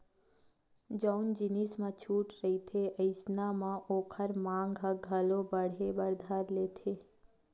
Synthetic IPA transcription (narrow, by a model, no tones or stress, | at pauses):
d͡ʒəʊnd͡ʒɪnismãt͡ʃʰuːʈɾɐɦit̪ʰeɐɪsnamãʔoːkʰəɾmãːŋɡɦaɡʱəlõbəɽ̤ebəɾd̪ʱaɾleːt̪ʰeː